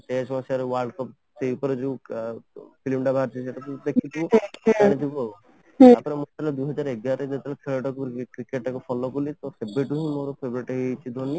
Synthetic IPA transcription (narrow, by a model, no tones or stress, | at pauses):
ʈesɔmasaɾewaɾɖkɔp | t͡ʃejupɔɾed͡ʒeu | pʰilimɖabʱaɾt͡ʃʰiseʈat̪ud̪ekʰit̪ʰiuanit̪ʰibɔ | apɔnemot̪ʰalɔd̪uɦɔd͡ʒaɾeɡaɾed͡ʒet̪ʰelkʰeɭɔʈɔkukɾikeʈakɔpʰɔlɔkulit̪ɔsebɾeʈuɦĩmoɾɔpʰebɔɾiʈeɦet͡ʃʰid̪ʱɔni